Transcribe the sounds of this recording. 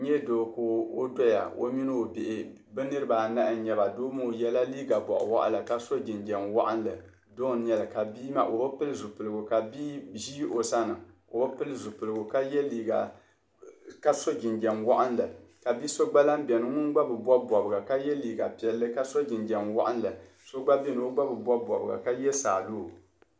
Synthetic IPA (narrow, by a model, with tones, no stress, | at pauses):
ɲɛ˦do˨ko˨o̰˦dɔ˦ja̰˨o̰˦mi˦nɨ˦o˨bɪ˨ʔɪ˨ | bɨ˦nɨ˦ɾɨ˦baː˨na˦ʔɲɛ˨ba˨doː˦mo˦˨jɛ˦la˦liː˦ɡa˨bɔ̰˨ʔʊ̰˨wa̰˦ʔa̰˦la˨ka˦so˦d͡ʒɪ˨nd͡ʒɛ˨nwa̰˦ʔa̰˦n˦lɨ̰˨ | do˦ɲɛ˦lɨ˨ka˨biː˦ma̰˦ʔo˨ba˦pɨ˦lɨ˦zu˨pɨ˨lɨ˨ɡʊ˨ka˨biː˦ʒi˦ʔo˨sa˦nɨ˨o˨ba˦pɨ˦lɨ˦zu˨pɨ˨lɨ˨ɡʊ˨ka˦jɛ˦liː˨ɡa˨ | ka˦so˦d͡ʒɪ˨nd͡ʒɛ˨mwa˦ʔa˦nlɨ˨ka˨bi˦so˦ɡ͡ba˦la˦m˦bɛ˨nɨ˦ŋʊ˦nɡ͡ba˦bɨ˨bɔ˦bɔ˨bɨ˨ɡa˨ka˦jɛ˦liː˨ɡa˨pɛ˨lːɨ˦ka˦so˦d͡ʒɪ˨nd͡ʒɛ˨mwa̰˦ʔa˦n˦lɨ˨ | so˦ɡ͡ba˦bɛ˦nɨ˨o˦ɡ͡ba˦bɨ˨bɔ˦bɔ˨bɨ˨ɡa̰˨ka˦jɛ˦saː˨loː˦˨